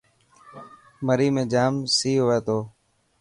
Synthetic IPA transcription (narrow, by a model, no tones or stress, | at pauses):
məɾiːmẽːd͡ʒaːmsiːɦoːʋeːt̪oː